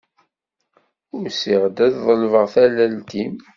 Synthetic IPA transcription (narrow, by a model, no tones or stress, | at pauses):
ʊɾsiʁd̪æððˤəlvəʁθælælt̪im